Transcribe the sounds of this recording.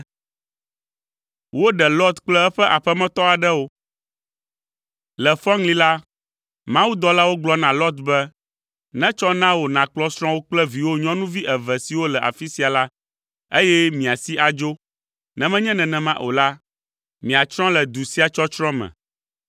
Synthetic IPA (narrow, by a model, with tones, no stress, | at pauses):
wo˦ɖɛ˨lɔ˦t̪k͡plɛ˦ɛ˦ɸɛ˦ʔa˨ɸɛ˦mɛ̃˦t̪ɔ˦a˨ɖɛ˦wo˦ | lɛ˨fɔ˦ŋli˦la˦ | mã˦wu˦d̪ɔ˦la˦wo˦ɡ͡blɔ˦nã˨lɔ˦t̪bɛ˦ | nɛ̃˦t͡ʃɔ˦nã˦wo˨nã˨k͡plɔ˦sɾ̃ɔ̃˦wo˦k͡plɛ˦vi˨wo˦ɲɔ̃˦nũ˦vi˦ʔɛ˨vɛ˨si˨wo˦lɛ˨ʔa̰˨fi˦si˦a˨la˦ | e˦jɛ˦mĩ˨a˨si˦a˨d͡ʒo˦ | nɛ̃˦mɛ̃˦ɲɛ̃˦nɛ̃˨nɛ̃˨mã˦ʔo˨la˦ | mĩ˨a˨t͡ʃɾ̃ɔ̃˦lɛ˨d̪u˨si˦a˨t͡ʃɔ˦t͡ʃɾɔ̃˦mɛ̰̃˨